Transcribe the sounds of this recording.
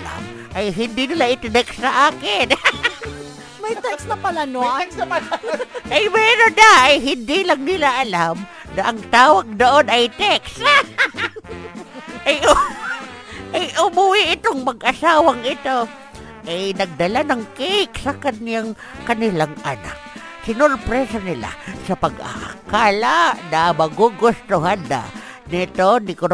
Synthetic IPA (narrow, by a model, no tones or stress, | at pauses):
ʔajɦɪnd̪ɪnɪlaʔɪt̪od̪ɛksaʔaːkɪn | mɐjt̪ɛksnɐpɐlanoakslʔajmɛɾod̪aːjɦɪnd̪ɪlaŋnɪlaʔːlam | naʔɐŋt̪aːwaɡ̚d̪oʔonajt̪ɛksa | aj | ʔajʔʊmʊwɪʔɪt̪oŋmɐɡʔɐsaːwaŋɪt̪o | ʔajnɐɡ̚d̪ɐlanɐŋkeksɐkanjaŋ | kɐnɪlaŋana̰k̚ | sɪnoɾpɾɛsanɪla̰sɐpɐɡʔa̰hkaːlanamɐɡuɡʊst̪ʊɦand̪a̰ | nɪt̪onɪkʊɾ